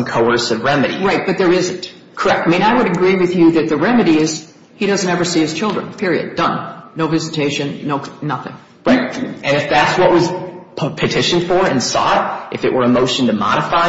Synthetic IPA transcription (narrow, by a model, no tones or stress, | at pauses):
mkʰoʊɜ˞sɨvɹɛmɨɾḭɹaɪt̚b̥ʌt̪̚ðə˞ɪzɨ̃nt | kʰə˞ɛk̚taɪmĩnaɪwəɾɨɡɹiwɨðjɨðɨt̪̚ðɨɹɛmɨɾiɪz̥ | hiɾʌz̃n̩tɛvə˞siɨz̥t͡ʃʰɪlˠdɹə̰̃npʰɪɹiɨ̰d̚dʌ̃nːoʊvɪzɨtʰeɪʃɨ̃nːoʊnʌθɪ̰̃ŋ | ɹaɪt̚ɨ̃nɨfðætswʌʔwʌz̥ʰpʰɨtʰɪʃɨ̃nfə˞ɨ̃nsɔ̰ɾʔɨfɨʔwə˞ɨmoʊʃn̩tʰɨmɑ̰ɾəfaɪ